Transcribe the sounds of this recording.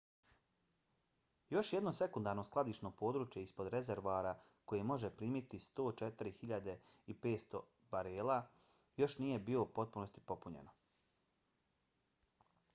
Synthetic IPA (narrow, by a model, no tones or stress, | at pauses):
jo̞ʃjed̪no̞se̞kund̪aːɾno̞sklˠad̪iːʃno̞po̞ːd̪ɾuːt͡ʃje̞ispo̞d̪ɾezeɾʋoaːɾa | ko̞jemo̞ʒepɾiːmit̪ist̪o̞ːt͡ʃet̪iɾixiʎad̪e̞ipe̞ːt̪st̪o̞̰ | baɾeːlˠa | jo̞ʃnije̞bio̞upo̞t̪̚puno̞st̪i̥po̞puɲe̞̰no